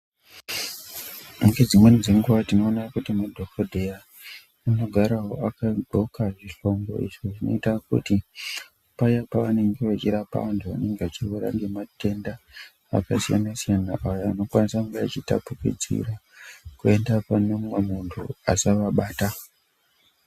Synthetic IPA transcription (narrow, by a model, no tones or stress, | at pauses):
muŋɡe̞d͡zimwenid͡zeŋɡuʋatino̞ːnakutimadʱokʰodʱeja | ano̞ɡʱaɾaɦo̞akaɡʱo̞kaʐiɬo̞ŋɡo̞̰ḭʐoʐino̞̰itakṵti | pajapaʋane̞ŋɡe̞ʋat͡ʃiɾapa̰ʋantʰuʋane̞ŋɡeat͡ʃirweɾa̰ŋɡe̞mate̞nda | a̰kasija̰nasijanaʔajoano̞kwanisakuɡeat͡ʃita̰pukḭd͡zḭrakue̞ndapanomwamuntʰṵasaʋaɓaːta